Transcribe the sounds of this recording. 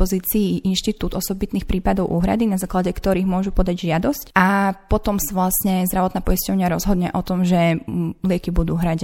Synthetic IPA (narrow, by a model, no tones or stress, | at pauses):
ɔziːt͡siːʔinʃt̪it̪uːd̪ɔsɔbit̪niːxpɾiːpad̪ɔʊʔuːɦɾa̰d̪inazaːklaɟɛkt̪ɔɾiːɣmʊɔʒupɔd̪aɟʒɪad̪ɔscʔapɔt̪ɔmsaʋlasɲɛzd̪ɾaʋɔt̪naːpɔiscɔʊɲɪaɾɔzɦɔd̪ɲɛʔɔt̪ɔmʒɛlɪɛkibud̪uɦɾaɟ